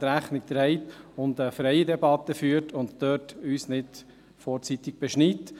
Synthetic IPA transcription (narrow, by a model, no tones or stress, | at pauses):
ɾæχnɪk̚d̥̪ɾɛɪt̪ʊnd̪əfɾɛjədɛbɑt̪ːəfyːɾtʰʊnttøːtyːsnɪt̪ | fɔːɾt͡sit̪ɪɡ̥̚b̥ɛʃnit̪